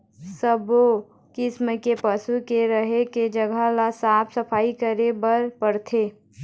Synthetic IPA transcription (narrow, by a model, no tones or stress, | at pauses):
səbo | kɪsmekepəsukeɾəɦeked͡ʒəɡʱalasaːpʰsəpʰaːikəɾebəɾpəɾt̪ʰeː